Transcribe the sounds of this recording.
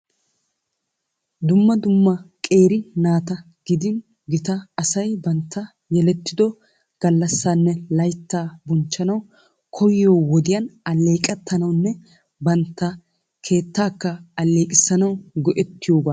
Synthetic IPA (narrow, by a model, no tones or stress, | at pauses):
d̪ʊmːɐd̪ʊmːɐkʼe̞ːɾɪnaːt̪ɐ | ɡ̥ɪd̪ɪn | ɡɪt̪ɐːsɐjbɐnt̪ʰːɐ | jɛlɛt̪ːɪd̪ɔ | ɡ̥ɐlːɐsːaːnːɛlɐjt̪ːaːbɔnt͡ʃːɐnɐw | kʰɔjɪjoːwɔd̪ɪjɐnɐlːe̞ːkʼɛt̪ʰːɐnɐwnːɛ | bɐnt̪ːɐ | kʰe̞ːt̪ːaːkːɐɐlːe̞ːkʼɪsːɐnɐwɡɔʔɛt̪ːɪjoːbaː